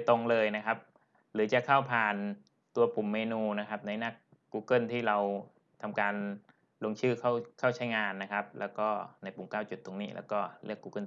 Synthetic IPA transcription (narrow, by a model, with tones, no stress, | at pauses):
t̪o˧ŋlɤː˧jna˦˥kʰa˦˥p̚ | ɾɯː˩˦t͡ɕa˨˩kʰa˥˩wpʰaː˨˩n | t̪u˧ɐpu˨˩mːeː˧nuː˧na˦˥kʰa˦˥p̚na˧jna˦˧˥kː | uː˧kɤ˥˩nt̪ʰiː˥˩ɾa˧w | t̪ʰa˧mkaː˧n | lo˧ŋt͡ɕʰɯː˥˩kʰa˥˩wkʰa˥˩wt͡ɕʰa˦˥jŋaː˧nːa˦˥kʰa˦˥p̚lɛː˦˥wkɔː˥˩na˧jpu˨˩˦mkaː˥˩wt͡ɕu˨˩t̪ʰːo˧ŋniː˦˥˩lɛ̰ː˧˥wkɔː˥˩lɯ̰˥˩əkːuː˧kɤ˥˩n